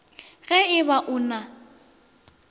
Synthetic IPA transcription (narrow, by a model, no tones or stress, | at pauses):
ɣɛɪbaʔʊːna